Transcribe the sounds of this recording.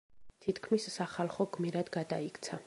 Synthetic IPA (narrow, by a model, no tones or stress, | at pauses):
t̪ʰit̪kʰmissaχalˠχɔɡmiɾad̪̥ɡad̪aikʰt̪sʰa